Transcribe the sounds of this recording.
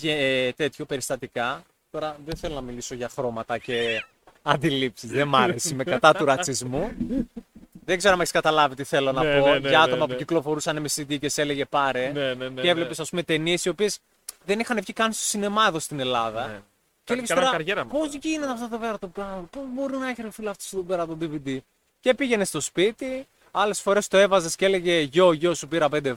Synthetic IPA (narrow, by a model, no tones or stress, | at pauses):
et̪e̞t̪ço̞pe̞ɾist̪ɐt̪ikɐ | t̪o̞ɾɐðeθe̞lo̞nɐmiliso̞ʝɐxɾo̞mɐt̪ɐce̞ | ɐnd̪ilipsizðemɐɾesimekɐt̪ɐt̪uɾɐt͡sizmu | ðeɡze̞ɾomeçi̥skɐt̪ɐlɐvit̪iθe̞lo̞nɐpo̞ʝɐɐt̪omɐpuciklofo̞ɾusɐnemesinðice̞se̞le̞ʝe̞pɐɾeneevle̞pesɐspume̞t̪e̞nie̞sio̞pie̞s | ðe̞nixɐnefçikɐnist̪osine̞mɐðo̞st̪ine̞lɐðɐ | ceeleest̪oɾɐɐɾʝeɾɐpozʝinet̪ɐfot̪ot̪oveɾɐt̪obɾɐopobo̞ɾinɐeçeɾofilɐft̪o̥st̪ot̪obeɾɐt̪od̪ivid̪i | ce̞piʝe̞ne̞st̪o̞spit̪i | ɐle̞sfo̞ɾe̞st̪o̞e̞vɐze̞scele̞ʝe̞ʝo̞ʝosupiɾɐp̬end̪e